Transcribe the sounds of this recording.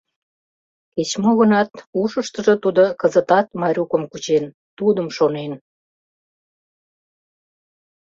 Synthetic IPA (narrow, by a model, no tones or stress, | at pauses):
ket͡ɕmoɣənɑt̪uʃəʃt̪əʒət̪ud̪okəzət̪ɑt̪̚mɑɾʲukəmkut͡ɕen | t̪ud̪əmʃonen